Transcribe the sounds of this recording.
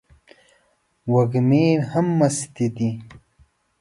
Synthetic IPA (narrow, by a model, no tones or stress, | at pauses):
wɐɡmeːhɐmːɐst̪id̪i